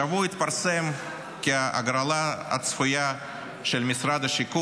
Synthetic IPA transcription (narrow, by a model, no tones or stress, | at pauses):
avuit̪paɾsɛm | kʲɪaʔaɡɾalˠaɐ̰t̪sfʊja | ʃelmʲɪsɾad̪ɐʃiku